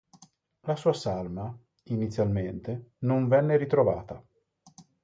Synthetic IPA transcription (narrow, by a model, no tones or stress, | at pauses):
lasuːasalma | init̪sːjalment̪enoɱvɛnːeɾit̪ɾova̰ːt̪a